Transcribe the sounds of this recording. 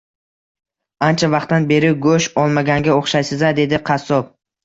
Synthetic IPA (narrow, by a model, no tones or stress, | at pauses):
ant͡ʃʰavɑq̚t̪ːanbe̞ɾɪɡɵʃɒlˠmaɡʲaŋɡʲaoχʃajsɪzad̪e̞d̪ɪqʰɑsːɒp̚